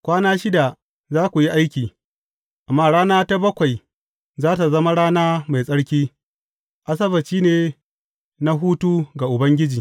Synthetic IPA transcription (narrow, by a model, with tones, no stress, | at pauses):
kʷaː˦naː˦ʃɪ˦da˨ | zaː˦kʷu˨ji˦ʔa˦jkʲiː˨ | ʔa˨mːaː˦˨ɽaː˦naː˦ta˦bɐ˦kʷa˨j | zaː˦ta˨zɐ˦ma˦ɽaː˦naː˦ma˨jsʼɐ˦ɽkʲiː˦ | ʔa˦s̬ɐ˦bɐ˨t͡ʃiː˦neː˨ | na˦ɦuː˦tuː˦ɡa˨ʔʊ˨bɐ˦ŋɡʲɪ˦d͡ʒiː˨